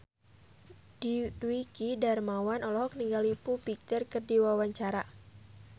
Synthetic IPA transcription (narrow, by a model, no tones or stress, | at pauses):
didwikidarmawanɔlɔɦɔk̚niŋɡalipupik̚t̪ərkərdiwawaɲt͡ʃaɾa